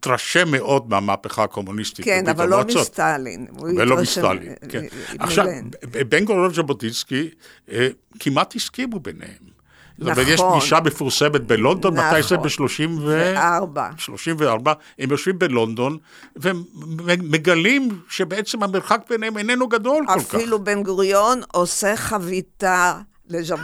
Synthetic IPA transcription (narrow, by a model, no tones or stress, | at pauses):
t̪ʁaʃemeʔo̞d̪̚meamaaːpeχaːko̞munist̪itvat͡sot̪l̰velomista̰lḭkʰena̰χʃʃavbeŋɡoʁevʃabotiski | kʰimat̪hiskimubenḛhem | ot̪omeʁtjeʃɡiʃabefuʁsemet̪̚belond̪o̞nmat̪ajsebeʃloʃimvebaʃlo̞ʃimveaʁba | hemjoʃvimbelo̞nd̪o̞n | ve | meɡalimʃebeet͡semhameʁχak̚beneemenenuɡad̪o̞lkolkailubenɡʁjonoseχavit̪a | leʒa